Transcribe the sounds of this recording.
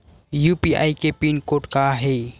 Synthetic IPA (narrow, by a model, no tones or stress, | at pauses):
juːpia̰ːikepinkoːʈkaɦeː